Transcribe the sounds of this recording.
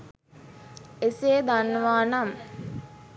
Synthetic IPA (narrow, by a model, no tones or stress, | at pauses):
eseːd̪anːəʋaːnam